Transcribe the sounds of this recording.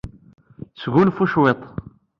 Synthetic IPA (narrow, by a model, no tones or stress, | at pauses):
sɣulfuʃwet̪ˤ